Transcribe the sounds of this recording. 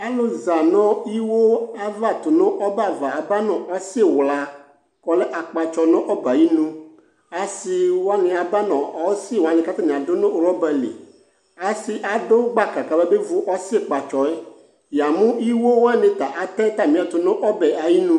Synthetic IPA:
a˦lo˦za˨nɔ̃˦i˦wo˦a˦va˦˨t̪o˨nõ˦ʔɔ˦ba˨va˨a˨ba˦nɔ̃˨ʔɔ˦se˦˨wla˨ | kɔ˨˦le˦ʔa˨k͡pa˨t͡ʃɔ˨nɔ̃˦ʔɔ˦ba˨ji˦nũ˦ | a˨si˦wo˦a˦nẽ˨a˨ba˦nɔ̃˨ɔ˦si˦˨wa˦nẽ˨ka˦t̪a˦nẽ˨a˨do˦nõ˦˨˦ɾɔ˦bɛ˨lḛ˨ | a˨si˦ʔa˨ɖo˦ɡ͡ba˦ka˨ka˨bɛ˦be˦vu˦ʔɔ˦si˦e˦k͡pa˨t͡ʃɔ˨e˦ | ja˨mũ˦i˦wo˦wo˦a˦nẽ˨t̪a˨ʔa˨t̪ɛ˦t̪a˨mĩ˦a˨t̪o˨nɔ̃˦ʔɔ˦bɛ˨ʔa˨ji˦nũ˦

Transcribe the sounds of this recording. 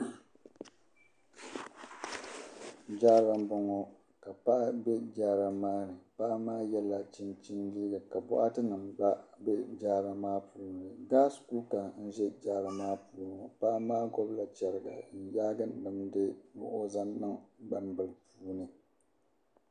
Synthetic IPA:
d͡ʒaː˦ɾa˦mbɔ˦ŋɔ˦ | ka˨pa˦ʔa˦bɛ˦d͡ʒaː˦ɾa˦maː˦nɨ˨pa˦ʔa˦maː˦jɛ˦la˨t͡ʃi˦nt͡ʃi˦ndi˦ɡɨ˨ka˨bʊ˦ʔa˦tɨ˦nɨ˨mba˦bɛ˦d͡ʒaː˦ɾa˨maː˦puː˦nɨ˨ɡaː˦sku˦ka˨n̩˦ʒɛ˦d͡ʒaː˦ɾa˨maː˦puː˦n˨o˨pa˦ʔa˦maː˦ɡɔ˦bla˨t͡ʃɛ˨ɾɨ˦˨ɡa̰˨n̩˨jaː˦ɡɨ˦n˨bɨ˨mdɨ˦bʊ˨ʔʊ˦za˦nːɨ˦ŋba˦mbɨ˨lpuː˦nɨ˨

